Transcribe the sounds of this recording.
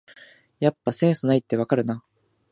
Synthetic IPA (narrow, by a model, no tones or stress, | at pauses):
japːasẽ̞ɰ̃sɨnait̪ːe̞βakaɾɯ̟na